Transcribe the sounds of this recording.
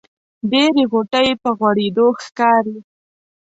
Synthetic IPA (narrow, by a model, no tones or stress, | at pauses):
ɖeɾeɣoʈəjepəɣwaɽed̪oxkɑɾi